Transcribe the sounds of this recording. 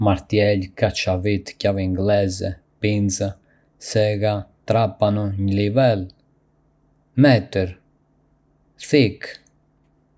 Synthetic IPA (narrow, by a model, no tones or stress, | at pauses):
maɾt̪jɛlkat͡ʃavit̪caviiŋɡlɛzɛ | pinza | sɛɡat̪ɾapanuɲlivɛl | mɛt̪əɾ | θik